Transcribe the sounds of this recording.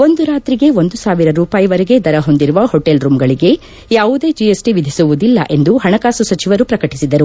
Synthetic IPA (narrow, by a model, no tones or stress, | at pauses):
o̞nd̪uɾaːt̪ɾiɡe̞o̞nd̪usaːʋiɾɐɾuːpaːjiʋɐɾeɡe̞d̪ɐɾɐɦo̞nd̪iɾuʋɐhoʈːelɾuːmɡɐɭiɡe̞ | jaːʋud̪e̞ːd͡ʒiesʈiʋid̪ʱisuʋud̪ilːɐ̰ʔe̞nd̪uɦɐɳɐkaːsusɐt͡ʃiʋɐɾupɾɐkɐʈisid̪ɐɾu